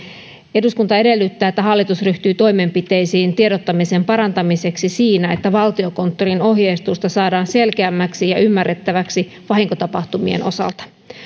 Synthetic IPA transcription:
e̞duskunt̪ɑe̞de̞lːyt̪ːæːet̪ːæɦɑlːit̪usryht̪yːt̪o̞jme̞mpit̪e̞jsiːnt̪ie̞ɾot̪ːɑmisempɑɾɑnt̪ɑmise̞ksisiːnæe̞t̪ːæʋɑlt̪io̞ko̞nt̪ːo̞rino̞ɦjeist̪ust̪ɑsɑːdɑːnse̞lkeæmːæksijɑʔymːærːe̞t̪ːæʋæksi | ʋɑɦiŋko̞t̪ɑpɑht̪umiḛnʔo̞̰sɑ̰lt̪ɑ̥

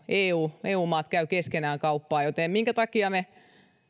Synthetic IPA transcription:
eːuːeːuːmɑːt̪kæykeskenæːŋkɑupːɑːjot̪eˑmmiŋkæt̪ɑkiɑme

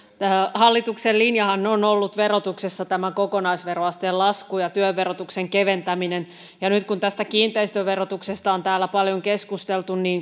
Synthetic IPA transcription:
æhɑlːit̪uksellinjɑhɑnːeonolːut̪ʋerot̪uksesːɑt̪æmækokonɑisʋeroɑst̪eːllɑskujɑt̪yøʋːeɾot̪ukseŋkeʋent̪æminen | jɑnyt̪kunt̪æst̪ækiːnt̪eist̪yøʋerot̪uksest̪ɑont̪æːlːˑæpɑljoŋkeskust̪elt̪unniːn

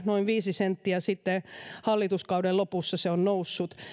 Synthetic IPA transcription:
noiʋʋiːsisent̪ːiæsit̪ːehɑlːit̪uskɑudellopusːɑseonnousːut̪

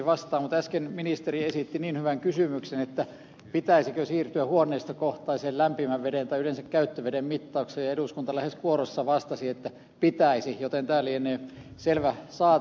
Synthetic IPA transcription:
ʋɑst̪ɑːmmut̪æskenminist̪eriesit̪ːiniːnhyʋæŋkysymyksenet̪ːæ | pit̪æisikøsiːrt̪yæhuonːˑeist̪ɑkoht̪ɑiseːllæmpimæʋʋedent̪ɑiylensækkæyt̪ːøʋedemmit̪ːɑuksejɑeduskunt̪ɑlæheskuorosːɑʋɑst̪ɑsiet̪ːæ | pit̪æisijot̪ent̪æːlːienːeː | selʋæsɑːt

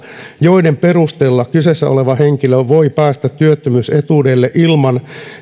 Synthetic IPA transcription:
joidemperust̪elːɑkysesːæ̰ʔo̰leʋɑheŋkiløʋoipæːst̪æt̪tyøt̪ːømyːset̪uːdelːeʔilmɑn

